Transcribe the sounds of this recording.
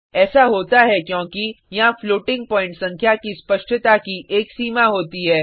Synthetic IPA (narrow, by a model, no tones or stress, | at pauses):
ɛːsaɦoːt̪aɦɛkjõːki | jɐɦãfloːʈɪ̃ŋɡ̚pɔ̃ːɪ̃ɳʈsɐ̃ŋkʰjakispɐʃʈʰət̪akiʔeːksiːmaɦoːt̪iɦɛː